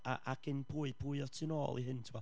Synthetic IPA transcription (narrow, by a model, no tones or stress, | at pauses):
a̰ʔaɡ̥ɪnpʰuɨpʰuːɨɔtʰɪnoːlˠḭɦɨntʰɪmɔ